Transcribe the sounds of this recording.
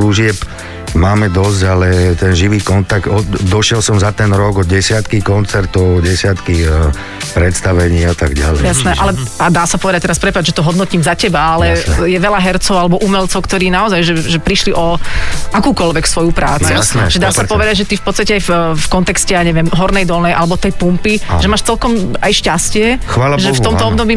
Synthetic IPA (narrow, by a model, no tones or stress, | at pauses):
luʒɪɛp | maːmɛd̪ɔzɟalɛt̪ɛnʒiʋiːkɔnt̪aɡt̪ɔd̪ɔʃɪɛlsɔmzat̪ɛnɾɔɡɔɟɛsɪat̪kikɔnt͡sɛɾt̪ɔʊɟɛsɪat̪ki | pɾɛt̪st̪aʋɛɲiːat̪a̰ɡɟa̰lɛjasnɛːʔa̰lɛad̪aːsapɔʋɛd̪ac̚t̪ɛɾaspɾɛpaʒɛt̪ɔɦɔd̪nɔciːmzacɛbaalɛjɛʋɛʎaɦɛɾt͡sɔʊalɛbɔʔumɛlt͡sɔʊkt̪ɔɾiːnaɔzajʒɛʒɛpɾiʃliʔɔʔakuːkɔlʋɛksʋɔjupɾaːt͡suʒ̥ɛd̪aːsapɔʋɛd̪aɟʒɛt̪ifpɔt̪st̪acɛajffkɔnt̪ɛkscɛaɲɛʋɪɛmɦɔɾnɛjd̪ɔlnɛjʔalɛbɔt̪ɛjpumpiʒɛmaːʃt͡sɛlkɔmajʃcascɪɛxʋaːlaʒɛft̪ɔmt̪ɔɔbd̪ɔbiː